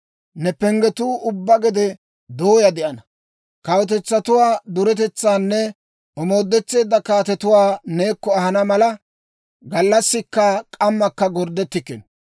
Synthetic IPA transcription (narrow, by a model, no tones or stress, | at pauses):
nɛpɛŋɡɛt̪uːʔʊbːɐɡɛd̪ɛ | d̪oːjɐd̪ɛʔɐnɐ | kɐwɔt̪̬ɛt͡sːɐt̪ʊwaːd̪ʊɾɛt̪ɛt͡sːaːnːɛ | ɔmo̞ːd̪ːɛt͡sːe̞ːd̪ːɐkaːt̪ɛt̪ʊwaːne̞ːkːɔɐhɐnɐmɐlɐ | ɡɐlːɐsːɪkːɐkʼɐmːɐkːɐɡɔɾd̪ɛt̪ːɪkːɛn